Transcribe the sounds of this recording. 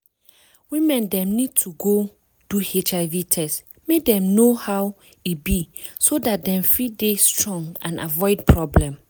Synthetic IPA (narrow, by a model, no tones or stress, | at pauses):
wĩmɛ̃ndɛ̃mnid̚tʰuɡo | d̥uhet͡ʃaɪvitʰɛst | medɛ̃mnohaw | ibisodat̚dɛ̃ɱfidestɹɔ̃ŋɡã̰na̰vɔɪd̚pʰɹɔblɛ̃m